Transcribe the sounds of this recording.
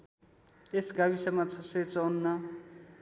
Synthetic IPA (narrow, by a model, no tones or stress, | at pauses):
esɡabisamat͡sʰʌset͡sʌnːʌ